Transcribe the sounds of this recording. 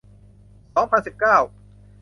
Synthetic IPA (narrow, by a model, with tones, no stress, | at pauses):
sɔː˩˦ŋpʰa˧nsi˨˩p̚kaː˥˩w